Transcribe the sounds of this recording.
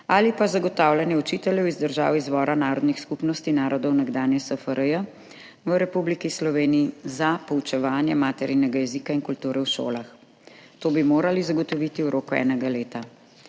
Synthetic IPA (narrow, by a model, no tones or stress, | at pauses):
alipazaɡɔt̪awlanjɛut͡ʃit̪ɛljɛwizd̪əɾʒa̰ːwizʋɔːɾanaːɾɔd̪nixskupnɔst̪inaːɾɔd̪ɔwnaɡd̪aːnjɛsəfəɾəjə | ʋəɾɛpublikislɔʋeːniizapɔut͡ʃɛʋaːnjɛmaːt̪ɛɾinɛɡajɛzikainkult̪uːɾɛwʃo̰ːlax | t̪oːbimoːɾalizaɡɔt̪ɔʋit̪iwɾoːkuɛ̰ːnɛɡaleːt̪a